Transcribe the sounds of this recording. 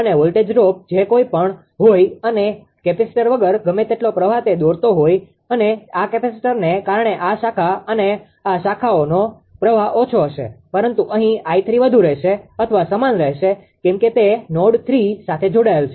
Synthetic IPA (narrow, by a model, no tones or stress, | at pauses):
əneʋolʈed͡ʒɾop̚d͡ʒekoipəɳ | ɦojəne | kɛpisʈəɾʋəɡəɾɡəmet̪eʈlopɾəʋ̤at̪ed̪oɾt̪oɦoj | əneakɛpesʈəɾnekaɾəɳeʔaʃakʰaəne | aʃakʰaono | pɾəʋ̤aʔot͡ʃʰoɦəʃḛpəɾənt̪uʔəɦĩait̪ʰɾiʋəd̪ʱuɾɛɦʃeət̪ʰəʋasəmanɾəɦʃe | kɛ̃mket̪enoɖt̪ʰɾisat̪ʰed͡ʒoɽaelt͡ʃʰe